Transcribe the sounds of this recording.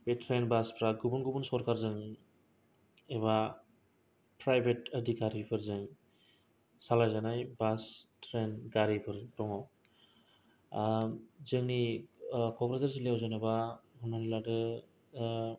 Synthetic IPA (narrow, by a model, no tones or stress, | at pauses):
betʰɾenbaspʰɾaɡubunɡubunsɔɾkaɾzɯŋ | eβa | pɾajbʰʱetədʱikaɾipʰɯɾzɯŋ | salajzanajbastʰɾenɡaɾipʰɯɾtɔŋɔ | zɯŋni | kɔpɾataɾs̬ileawzɯnebamʱɔnmaniladɯ